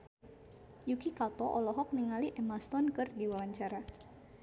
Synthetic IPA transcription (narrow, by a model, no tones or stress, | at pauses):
jukikat̪ɔʔɔlɔɦɔk̚niŋaliʔɛmast̪ɔnkɨrdiwawaɲt͡ʃaɾa